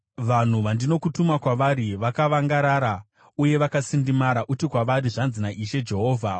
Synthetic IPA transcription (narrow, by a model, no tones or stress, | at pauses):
ʋan̤uʋandino̞kutumakwaʋaɾiʋakaʋaŋɡaɾaɾa | uje̞ʋakasindimaɾaʔutikwaʋaɾiʐanzinaʔiʃe̞d͡ʒe̞ɦo̞ːvʱa